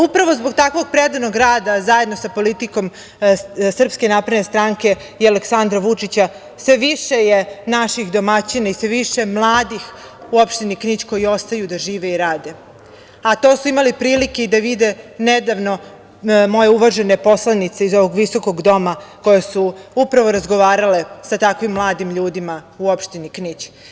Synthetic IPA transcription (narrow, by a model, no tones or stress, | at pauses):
upɾaʋozboɡ̚t̪akʋo̞ɡ̚pɾed̪anoɡɾaːd̪azajed̪nosapo̞lit̪iko̞m | sr̩pske̞napɾed̪nest̪ɾaŋke̞ | ialeksand̪ɾaʋut͡ʂit͡ɕa | sʋe̞ʋiʃejenaʃixd̪o̞mat͡ɕinaisʋeʋiʃemlˠaːd̪ix | uopʃt̪enikɲit͡ɕko̞jio̞st̪ajud̪aʒiːʋeiɾaːd̪e̞ | at̪o̞ːsuimalipɾiːlike̞id̪aʋid̪e̞ned̪aʋno̞ | mo̞je̞uʋaʒe̞ne̞po̞slanit̪se̞izo̞ʋoɡʋiso̞ko̞ɡd̪o̞mako̞jesuupɾaʋo̞ɾazɡo̞ʋaːɾale̞sat̪akʋimːlˠaːd̪imʎuːd̪imauo̞pʃt̪iniknit͡ɕ